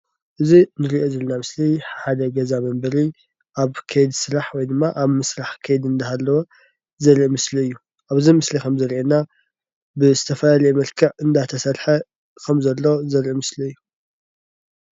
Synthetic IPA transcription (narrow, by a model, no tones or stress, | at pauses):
ʔɨzinɨɾiʔozɐlnamɨsliħad̪ɐɡɐzamɐmbɐɾi | ʔaβkʰejd̪sɨɾaħwɔjd̪ɨmːaʔaβmɨsɾaħkʰejd̪ɨnd̪aɦalːɐwo | zɐɾʔimɨsliɨjːu | ʔaβɨzimɨslikʰɐmzɐɾʔena | bɨzɨt̪ʰɐfɐlalɐjemɐɾkʰɐʕɨnd̪at̪ʰɐsɐɾħɐ | kʰɐmzɐlːozɐɾʔimɨsliɨjːu